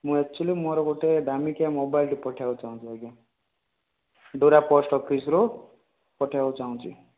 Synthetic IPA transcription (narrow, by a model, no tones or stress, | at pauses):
mũɛk̚t͡ʃʰulimɔɾokoʈed̪ʱamikamobajlʈipɔʈʰjakut͡saɦũt͡sʰueɡe | ɖoɾapɔsʈʌkːisɾo | pʌʈʰjakut͡saũt͡sʰi